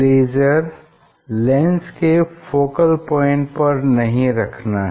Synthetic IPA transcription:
leːd͡ʒəɾ | lɛ̃ːnskefoːkəlpɔːɪ̃ɳʈ̚pɐɾnɐɦĩɾɐkʰnaɦ

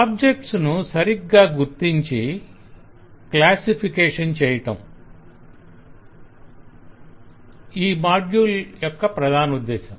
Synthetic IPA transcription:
aːb̚d͡ʒek̚ʈsnusɐɾiɡːaːɡuɾt̪iɲt͡ʃi | klaːsipʰikeːʂɐnt͡ʃɛːjɐʈɐm | iːmaːɖjuːljɔkːɐpɾɐd̪ʱaːnud̪ːɛːʃɐm

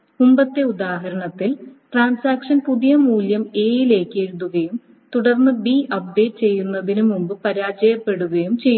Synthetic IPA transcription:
mumbɐt̪ːe̞ud̪aːɦɐɾɐɳɐt̪ːilʈraːnsaːkʂɐnpuðijɐmuːljɐme̞ːjile̞ːkːe̞ɻuðuɣɐjum | t̪uɽɐrnːɨbiʔɐp̚ɖe̞ːʈ̚t͡ɕe̞jːunːɐðinumumbɨpɐɾaːd͡ʑɐjɐpːe̞ɽuɣɐjumt͡ɕe̞j

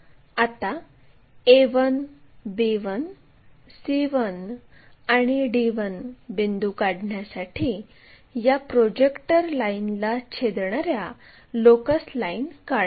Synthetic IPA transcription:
at̪a | eʋənbeʋən | siʋən | aɽ̃iɖiʋənbend̪ukaɽɳjasaʈʰiː | japɾod͡ʑekʈəɾlainlat͡ɕʰed̪ɳaɾja | lokəslainkaɭ

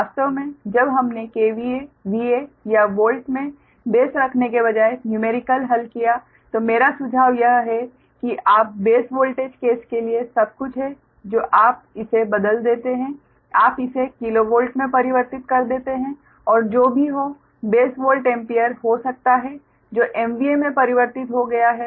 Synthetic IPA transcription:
aːst̪əʋmẽd͡ʒɐbɦɐmnekeːʋieʋiejaʋoːlʈmẽ | beːsɾɐkʰnekeβɐd͡ʒaːenjumeːɾɪkəlɦɐlkija | t̪omeːɾasʊd͡ʒʱaːʋjɐɦɦɛ | kiʔaːp̚beːsʋoːlʈeːd͡ʒkeːskeliesɐb̚kʊt͡ʃʰɦɛ | d͡ʒoːʔaːp̚ɪsebɐd̪əld̪eːt̪eɦɛ̃ | aːpɪsekɪloʋoːlʈmẽpɐɾɪʋəɾt̪ɪt̪kɐɾd̪eːt̪eɦɛ̃ | ɔːɾd͡ʒoːbʱiɦo | beːsʋoːlʈɛ̃ːmpijəɾɦosɐk̚t̪aɦɛ | d͡ʒoːʔɛːmbiemẽpɐɾɪʋəɾt̪ɪt̪ɦoɡɐjaɦɛː

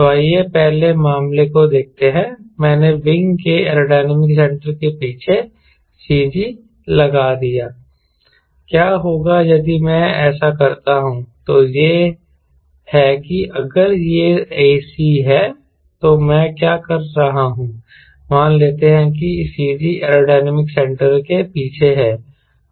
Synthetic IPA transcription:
saːiepɛɦlemaːmlekod̪eːk̚t̪eɦɛ̃ːmɛ̃ːneʋɪ̃ŋɡkeɛːɾoːɖaːnəmɪks̬ɛ̃ɳʈəɾkepiːt͡ʃʰe | siːd͡ʒi | lɐɡad̪ijaː | kjaːɦoːɡajɐd̪imɛ̃ɛːsakɐɾt̪aɦũt̪ojeː | hɛkiʔɐɡəɾjeeːsiɦɛː | t̪omɛ̃kjaːkɐɾːɐɦaɦũː | maːnleːt̪eɦɛ̃k̬isiːd͡ʒiʔɛːɾoːɖaːnəmɪksɛ̃ɳʈəɾkepiːt͡ʃʰeɦɛː

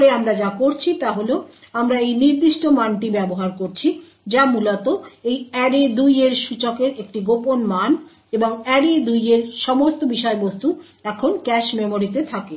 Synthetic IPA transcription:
ɾeamɾad͡ʑakoɾt͡ɕʰit̪aɦoleo | amɾaejniɾd̪iʃʈomanʈibɛboɦaɾkoɾt͡ɕʰi | d͡ʑamulot̪oejɛɖed̪ujeɾʃut͡ɕokeɾek̚ʈiɡoponman | eboŋɛɖed̪ujeɾʃɔmost̪obiʃɔebost̪u | ɛkʰonkɛʃmemoɾit̪et̪ʰake

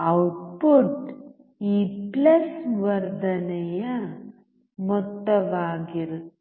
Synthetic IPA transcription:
ɐwʈpuʈ | iːplɐsʋɐɾd̪ɐnɛjɐ | mɔt̪ːɐʋaːɡiɾut̪ː

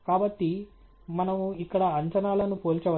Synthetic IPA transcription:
kaːbɐʈːi | mɐnɐmuikːɐɽɐɐɲt͡ʃɐnaːlɐnupoːlt͡ʃɐʋɐ

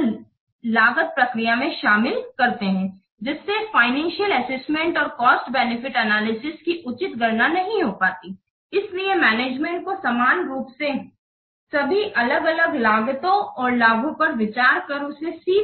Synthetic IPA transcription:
laːɡət̪̚pɾɐkɾijamẽʃaːmɪlkɐɾt̪eɦɛ̃ː | d͡ʒɪsːefaːɪnɛ̃ːnʃijəlɛsɛsmẽɳʈɔːɾkɔːsʈbɛːnɪfɪʈɛnaːlɪsɪskiʔʊt͡ʃɪt̪ɡɐɾnanɐɦĩɦopaːt̪i | ɪsliemɛːneːd͡ʒmẽɳʈ̚kosɐmaːnɾuːpse | sɐbʱiʔɐləɡɐləɡlaːɡət̪õɔːɾlaːɡõpɐɾʋɪt͡ʃaːɾkɐɾʊsesiː

